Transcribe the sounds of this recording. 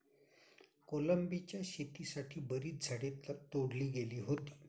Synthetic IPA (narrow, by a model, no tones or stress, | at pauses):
koləmbit͡ɕjaɕet̪isaʈʰiːbəɾiːt̪̚d͡zʱəɽet̪ət̪oɽliːɡeliːɦot̪i̥ː